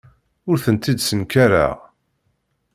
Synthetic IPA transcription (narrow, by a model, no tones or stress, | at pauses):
ʊɾθənt̪id̪sənkaɾa̰ʁ